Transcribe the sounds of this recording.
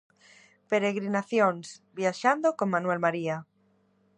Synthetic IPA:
peɾeɣɾinaθjõnsbjaʃand̪okoŋmãnwelmaɾia

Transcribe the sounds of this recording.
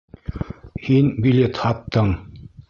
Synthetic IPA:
hinbʲilʲet̪hɑt̪ːɤɴ

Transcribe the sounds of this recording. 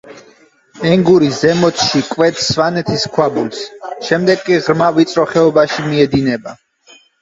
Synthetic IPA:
ɛŋɡuɾiszɛmɔt̪ʃikʼwɛt̪ʰsvanɛt̪ʰiskʰwabulsʃɛmd̪ɛɡkʼːiʁɾmavit̪sʼɾɔχɛɔbaʃimiɛd̪inɛba

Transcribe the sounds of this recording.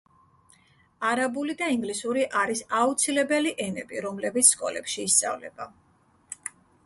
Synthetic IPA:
aɾabulid̪aiŋɡlisuɾiʔaɾisaut̪sʰilɛbɛliʔɛnɛbiɾɔmlɛbit̪sʰskʼɔ̰lɛ̰pʃiːst̪sʼa̰vlɛ̰ba

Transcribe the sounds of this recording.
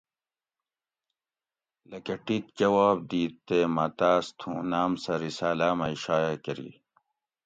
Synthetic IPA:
lɐkɐʈit̪̚d͡ʑɐwaːb̚d̪iːt̪ːemɐt̪aːst̪ʰũːnaːmsɐɾisaːlaːmɐiɕaːjakɐɾḭ

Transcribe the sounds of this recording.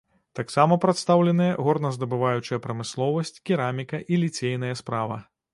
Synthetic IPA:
t̪aksamɐpɾɐt̪st̪awlʲɛnɨjɐɣɔrnɐzd̪ɐbɨvajut͡ʂɨjɐpɾɐmɨslˠɔvɐsʲt͡sʲkʲiɾamʲikɐʔilʲit͡sʲejn̪ɐjɐspɾavɐ̰

